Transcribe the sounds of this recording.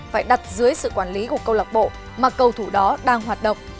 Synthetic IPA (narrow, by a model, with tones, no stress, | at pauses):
faː˧˩jɗa˨˩t̚zɨ˨˦əjsɨ̰˧˨kwaː˧˩nli˨˦ku˧˩əkə˧wla˨˩k͡p̚ɓo̰˧˨ | maː˨˩kə˧˩wt̪ʰu˧˩ɗɔ˨˦ɗaː˧ŋɦwaː˨˩t̚ɗə̰˧˨wŋ͡m